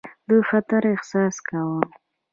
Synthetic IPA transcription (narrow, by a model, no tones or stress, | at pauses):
d̪əfat̪aɾɪhsɑskawəm